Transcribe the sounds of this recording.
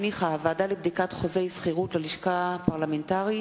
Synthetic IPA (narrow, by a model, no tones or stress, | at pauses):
niχaavaːdalebd̪ikat̪χozejsχiʁutleliʃkapaʁlamentaʁi